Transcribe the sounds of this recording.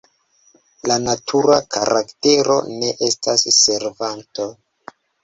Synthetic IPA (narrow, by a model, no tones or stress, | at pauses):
lanatʰuɾakʰaɾʔakte̞ɾo̞̰ne̞ʔe̞stasːe̞ɾvanto